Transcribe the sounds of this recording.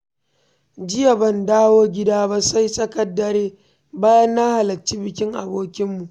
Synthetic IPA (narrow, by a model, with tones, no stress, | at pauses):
d͡ʒɪ˦ja˨bɐ˦ndaː˦woː˦ɡʲɪ˦daː˦ba˦sa˦jsʼɐ˦kɐ˦dːɐ˨ɾeː˦ | baː˦jɐ˦nːa˦ha˨lɐ˨t͡ʃːi˦bɪ˨kʲɪ˦ŋʔa̰˨boː˦kʲɪ˦mːu˨ʔ